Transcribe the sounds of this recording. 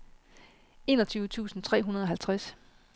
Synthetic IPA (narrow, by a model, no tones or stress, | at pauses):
e̝ːnɒt͡sʰyːʊət͡sʰṵːsn̩t͡sʰʁɛ̰ːɦunɐð̞ˠɒ̽ɦælt͡sʰʁas